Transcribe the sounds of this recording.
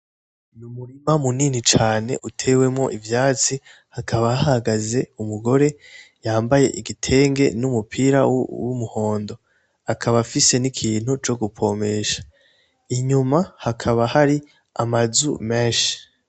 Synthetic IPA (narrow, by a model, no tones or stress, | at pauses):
numuɾimamuniːnit͡ʃaːne̞̰ʔutʰe̞we̞mŋo̞ʔivjaːt͡si | hakʰaβaahaaɡaze̞umuɡo̞ɾe̞jaːmbaje̞̰ʔiɡitʰe̞ːŋɡe̞numupʰiɾawumuho̞ːndo̞ | akʰaβafise̞nikʰiːn̥hut͡ʃo̞ɡupʰo̞me̞ʃḁ | iɲumahakʰaβahaɾi | amazṵmeʃi̥